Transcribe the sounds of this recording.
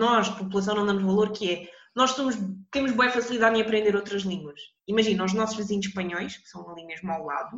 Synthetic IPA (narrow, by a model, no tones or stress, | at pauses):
nɔʃpupulˠɐsɐ̃w̃nɐ̃d̪amuʒvɐlˠoɾkɨɛnɔʃsomuʒt̪emuʒβõɐfɐsilˠiðaðĩɐpɾẽnd̪eɾowt̪ɾɐʒlˠĩɡwɐʃ | imɐʒinɐ̃uʒnɔsuʒvɨziɲuʃpɐɲɔjʃkɨ̥sɐ̃w̃lˠĩɲɐʒmawlˠa̰ðu